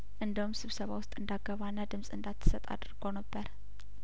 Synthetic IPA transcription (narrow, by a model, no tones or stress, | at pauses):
ʔɨnd̪əhumsɨβsəβa̰wʊst̪ʼɨnd̪aɡəβanːəd̪ɨmsʼɨnd̪at̪ʰːɨ̥sət̪ʼa̰d̪ɨɾɡonəbːəɾ